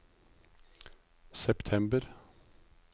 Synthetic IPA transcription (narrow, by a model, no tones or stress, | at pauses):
sɛpt̪ʰɛmbəɾ